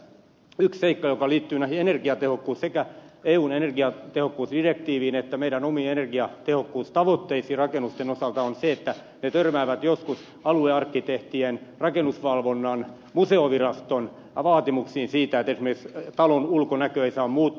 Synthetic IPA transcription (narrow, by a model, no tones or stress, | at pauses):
yksseikːɑjokɑliːt̪ːyːnæhienerɡiɑt̪ehokːuːssekæeːuːnenerɡiɑt̪ehokːuːsdirekt̪iːʋiːnet̪ːæmeiɾænomiːenerɡiɑt̪ehokːuːst̪ɑʋot̪ːeisiːrɑkenust̪enosɑlt̪ɑonseet̪ːæ | net̪ørmæːʋæt̪joskus | ɑlueɑrkːit̪eht̪ienrɑkenusʋɑlʋonːɑn | museoʋirɑst̪on | ʋɑːt̪imuksiːnsiːt̪æet̪esimerikst̪ɑlonulkonækøeisɑːmmuːt̪ː